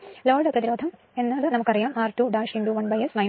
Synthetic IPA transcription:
loːɖprɐðiɾoːd̪ʱɐm | e̞nːaːlɨnɐmukːɐrijaːmaːrʈuːɖaːʂiɳɖuʋɐnbɐjesnɐj

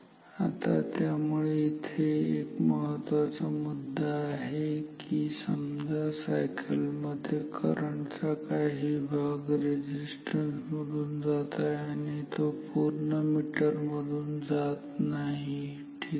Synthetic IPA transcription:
at̪a̰t̪jamuɭeit̪ʰeekməɦət̪ʋat͡samud̪ːaːɦekisəmd͡zʱasajkʰəlməd̪ʱjekʰə̰ɾəɳt͡sakaɦibʱaɡɾed͡ʑisʈənsməd̪ʱuːnd͡zat̪aañit̪opuɾɳəmiʈəɾməd̪ʱuːnd͡zat̪naɦi | ʈʰi

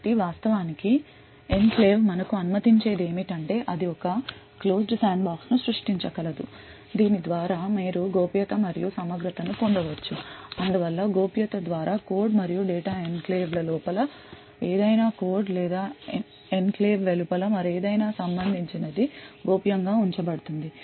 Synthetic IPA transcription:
ʈiʋaːst̪ɐʋaːniki | e̞nkle̞ːʋmɐnɐkuɐnumɐt̪iɲt͡ʃe̞ːd̪e̞ːmiʈɐɳʈe̞ːʔɐd̪iɔkɐ | klo̞ːsɖsaːɳbaːksnusɾuʂʈiɲt͡ʃɐkɐlɐd̪u | d̪iːnid̪ʋaːɾaːmiːɾuɡoːpjɐt̪ɐmɐɾijusɐmɐɡɾɐt̪ɐnukoɳɖɐʋɐt͡ʃːuɐnd̪uʋɐlːɐɡoːpjɐt̪ɐd̪ʋaːɾaːko̞ːɾɖmɐɾijuɖeːʈaːenkleːʋlɐlɔːpɐlɐ | eːd̪ɐjnaːko̞ːɾɖlɛːd̪aː | enkleːʋʋelupɐlɐmɐɾeːd̪ɐjnaːsɐmbɐnd̪ʱiɲt͡ʃinɐd̪iɡoːpjɐŋɡaːuɲt͡ʃɐbɐɽut̪und̪i

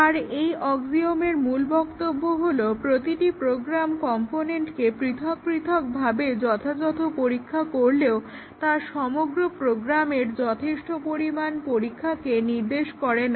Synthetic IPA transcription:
aɾejʔɔɡd͡ʑiomeɾmulbɔkt̪obːoɦolopɾot̪iʈipɾoɡɾamkɔmponeɳʈkepɾit̪ʰok̚pɾit̪ʰok̚bʱabed͡ʑɔt̪ʰad͡ʑɔt̪ʰopoɾikʰːakoɾleo | t̪aʃɔmoɡɾopɾoɡɾameɾd͡ʑɔt̪ʰeʃʈopoɾimanpoɾikʰːakeniɾd̪eʃkɔɾen

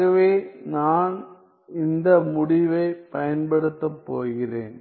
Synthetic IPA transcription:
ɐʋeːnaːn | ɪnd̪ɐmʊɽɪʋɐɪpɐjɐnbɐɽɯt̪ːɐpːoːɣɪreːn

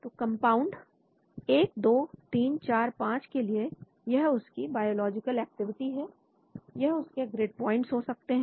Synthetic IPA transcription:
t̪oːkɐ̃mpaːʊ̃ɳɖ | eːk̚d̪oːt̪iːnt͡ʃaːɾpãːt͡ʃkelie | jɐɦʊskibaːjoːlɔːd͡ʒɪkəlɛːk̚ʈɪʋɪʈiɦɛː | jɐɦʊskeɡɾeːɖ̚pɔːɪ̃ɳʈsɦoːsɐk̚t̪eɦɛ̃

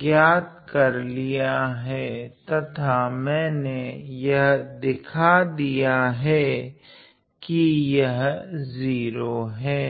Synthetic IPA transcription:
ɡjaːt̪kɐɾlijaɦɛt̪ɐt̪ʰamɛ̃ːnejɐɦd̪ɪkʰad̪ijaɦɛ | kijɐɦziːɾoɦɛː

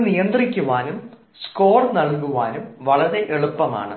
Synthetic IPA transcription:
nijɐnd̪rikʲːuʋaːnum | sko̞ːrnɐɭkuʋaːnumʋɐɭɐɾe̞ʔeɭupːɐma̰ːɳɨ

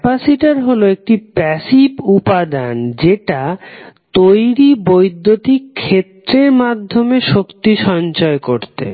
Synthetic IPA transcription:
pasiʈaɾɦoloek̚ʈipɛsibupad̪and͡ʑeʈat̪ojɾibojd̪ʱːot̪ikʰːet̪ːɾeɾmad̪ʱːomeʃokt̪iʃɔnt͡ɕɔekoɾt̪ḛ

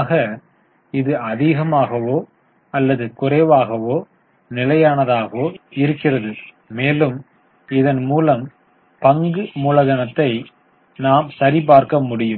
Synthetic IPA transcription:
ɣɐ | ɪðɯɐðɪɣɐmaːɣɐʋoː | ɐlːɐðɯkʊɾɐːʋaːɣɐʋoː | nɪlɐjaːnɐðaːɣɐʋoːɪɾɯkːɪrɐðɯ | meːlɯm | ɪðɐnmuːlɐm | pɐŋɡɯmʊlɐɣɐnɐt̪ːɐɪ | naːmsɐɾip̬aːɾkɐmʊɽɪjɯm

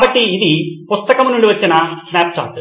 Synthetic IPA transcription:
kaːbɐʈːiːd̪ipust̪ɐkɐmnuɳɖiʋɐt͡ʃːinɐsnɛːpt͡ʃa̰ːʈ

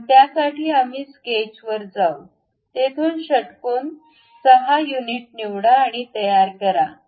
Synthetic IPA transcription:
t̪jasaʈʰiːamiːsket͡ɕʋəɾd͡zaw | t̪et̪ʰuːnɕəʈkoːn | səɦajuniʈ̚niʋɽaːɽ̃it̪əjaɾkəɾa

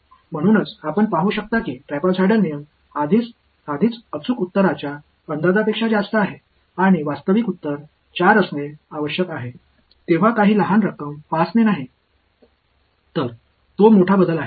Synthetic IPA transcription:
m̤əɽ̃uːnət͡sapəɳpaɦuːɕək̚t̪akiːʈɾɛpət͡sʰaɽəlnijəm | ad̪ʱit͡s | ad̪ʱiːt͡sət͡sukut̪ːəɾat͡ɕja | ənd̪ad̪apekʂad͡ʑast̪əaɦe | aɽ̃iʋast̪əʋikut̪ːəɾ | t͡ɕaɾəsneaʋəɕjəkaɦe | t̪eʋ̤akaɦiːləɦanɾəkəmpasnenaɦi | t̪əɾ | t̪omoʈʰabəd̪ʱəlaɦe

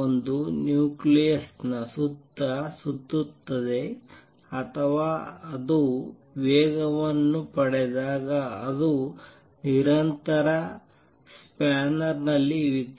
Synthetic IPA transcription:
ond̪unjuːklijɐsnɐsut̪ːɐsut̪ːut̪ːɐd̪e̞ | ɐt̪ʰɐʋaːɐd̪u | ʋɛːɡɐʋɐnːupɐɽed̪aːɡɐːd̪u | niɾɐnt̪ɐɾɐ | spaːnɐɾnɐlːiʋit̪ː

